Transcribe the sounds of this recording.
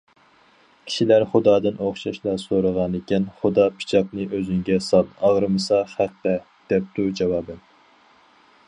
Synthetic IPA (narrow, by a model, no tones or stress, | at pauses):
kʲʰi̥ʃilæɾχʊd̪ɑːd̪ɨnʔoχʃɑʃlˠɑsoɾəʁɑnekʲɛnχʊd̪ɑpʰi̥t͡ʃʰɑqnɨʔøzyŋɡʲɛsɑlˠɑʁɾɨmɨsɑχæqt̪ɛ | d̪̥ɛp̚t̪ud͡ʒɑwɑːbɨn